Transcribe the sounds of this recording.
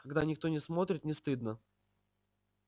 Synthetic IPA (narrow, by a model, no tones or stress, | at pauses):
kɐɡd̪anʲɪk̚t̪o̞nʲɪsmo̞t̪ɾʲɪt̪nʲɪst̪ɨd̪nə